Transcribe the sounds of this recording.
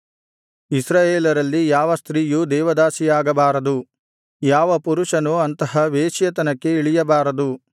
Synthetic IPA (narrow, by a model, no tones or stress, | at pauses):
isɾaːjeːlɐɾɐlːijaːʋɐst̪ɾiːjud̪ɛːʋɐd̪aːsijaːɡɐbaːɾɐd̪u | jaːʋɐpuɾuʂɐnuɐnt̪ɐɦɐʋeːʃjɐt̪ɐnɐkːe̞iɭijɐbaːɾɐd̪u